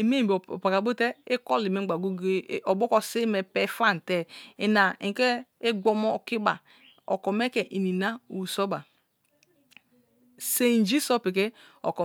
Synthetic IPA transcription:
e˨me˦˨b̰pa˨ka˨bo˦te˦e˦kɔ˦li˨me˦ɡ͡ba˨ɡo˦ɡe˦ɔ˨bo˦kɔ˦si˦me˨pɛ˦fa˦n˨te˦e˨na˨ĩ˨ke˦e˦ɡ͡bɔ˦mɔ˦˨ki˦ba˨ | ɔ̰˨kɔ˨me˦kɛ˨ʔi˨ni˨na˦u˨so˦ba˨ | se˦˨n˨˦d͡ʒi˦so˦pi˨ke˦ | ɔ̰˨kɔ˨

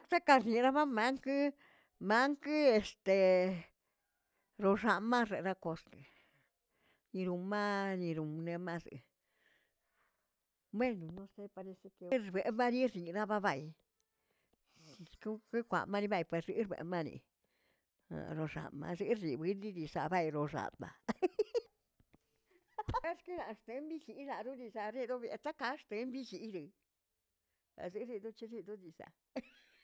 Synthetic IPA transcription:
kta˦ka˧ɾni˨ɾa˦ba˦ma˦ŋk | ma˦ŋke˧st̪e˨˧ | ɾo˧ʐa˧˨ma˦e˨ɾa˦ko˧ske˨ | ni˧ɾu˧ma˦ni˧ɾu˨mne˧ma˦zɨ̰˨ | me˦nu˨no˦st̪e˦pa˧ɾi˧se˦ke˧˦˨be˨ma˦ni˦ɾni˨ɾa˦ba˦ba˧˨j | ko˦ke˦kʷa̰˨ma˦˧ni˧˦ba˧jpwe˨sɾi˧ɾbḛ˨ma˦nḭ˧ | a̰˨ɾo˧ʐa̰˨ma̰˧ze˧˦ɾi˨bi˦ndi˦d̪i˨sa˨ba˧jɾo˧ʐa̰˨a̰˧ | e˦ske˦la˨˧ʂt̪e˨˦mbi˦t͡ʃi˨la˨d̪u˦ni˧za˧ɾi˦d̪o˦bja˧t̪a˦ka˧˦ʂt̪e˧˦mbi˦t͡ʃi˧ɾɨ˨ | a̰˨ze˧ɾi˧d̪u˦t͡ʃe˧˦ɾi˧d̪u˦d̪i˧sa̰˨

